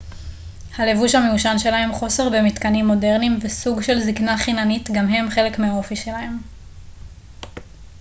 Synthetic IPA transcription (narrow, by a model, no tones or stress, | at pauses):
hale̞vuʃhameuʃanʃe̞laɦe̞mχo̞se̞ʁbe̞mit̪kanimːo̞de̞ʁnimvesuɡʃe̞lziknaχinanitɡamɦe̞mχe̞le̞kmeao̞fiʃe̞lahe̞m